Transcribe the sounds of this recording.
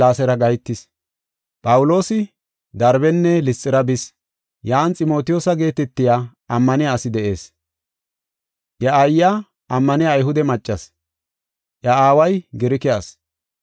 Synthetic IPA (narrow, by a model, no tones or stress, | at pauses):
aːsɛɾɐɡɐjt̪ːɪs | pʼɐwʊlo̞ːsɪ | d̪ɐɾbɛnːɛlɪst͡sʼːɪɾɐbɪs | jaːnt͡sʼɪmo̞ːt̪ɪjoːsɐɡe̞ːt̪ɛt̪ːɪjaː | ɐmːɐnɪjaːsɪd̪ɛʔe̞ːs | ʔjɐɐjːaː | ɐmːɐnɪjaːjɦʊd̪ɛmɐt͡ʃʼːɐs | jɐaːwɐjɡɪɾɪkɪjas